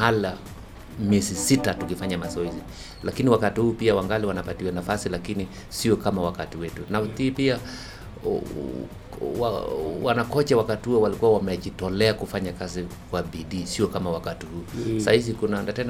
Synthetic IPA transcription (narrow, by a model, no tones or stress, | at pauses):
hala | miɛzisitatukifaɲamasɔizi | lakiniwakatihuːpiawaŋɡaliwanapatiwanafasilakini | siɔkamawakatiwɛtunaθipia | wawanakɔt͡ʃawakatihuɔwalikuwawamɛʄitɔlɛakufaɲakazikwaɓiɗiːsiɔkamawakatihuːsahis̬ikunaɛndatɛn